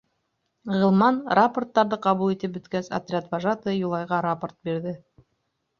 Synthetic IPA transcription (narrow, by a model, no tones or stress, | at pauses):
ʁɤ̆lˠmɑnraport̪ːɑɾðɤqɑβulˠit̪ɘp̚bɵ̆t̪kæsa̰t̪ɾʲɪat̪vaʒat̪ɤjulˠɑjʁɑɾaport̪̚biɾðɘ